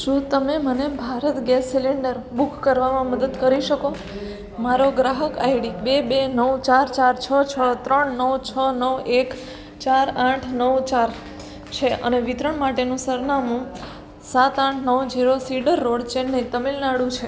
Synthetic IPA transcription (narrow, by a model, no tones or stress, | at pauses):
ʃũt̪əmemənebʱaɾət̪ɡɛsːiliɳɖəɾbukʰːəɾʋamãməd̪əd̪kəɾiʃəko | maɾoɡɾaɦəkajɖibebenəʋt͡ʃaɾt͡ʃaɾt͡ʃʰət͡ʃʰəɭat̪ɾəɳnəʋt͡ʃʰənəʋek | t͡ʃaɾãʈʰnəʋt͡ʃaɾ | t͡ʃʰeʔə̰neʋit̪ɾəɳmaʈenũsəɾnamũ | sat̪ãʈʰnəʋd͡ʒiɾosiɖəɾːoɽt͡ʃenːet̪əmilnaɽũt͡ʃʰe